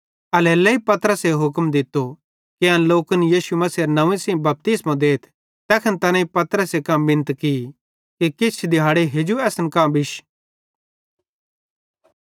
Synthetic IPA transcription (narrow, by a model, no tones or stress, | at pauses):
ɐleːleipɐt̪əɾəseɦʊkmd̪ɪt̪ːo | keɐ̃nloːkənjiːsumɐsiɾnɐʋẽsĩːbɐp̚t̪ismãd̪eːt̪ʰ | t̪ɛːkʰənt̪ɐnãipɐt̪ɾəsekɐ̃mbɪ̃nət̪ki | kikɪt͡ʃʰd̪ɪaːɽeɦeːd͡ʒuɛːsnkãbɪʃ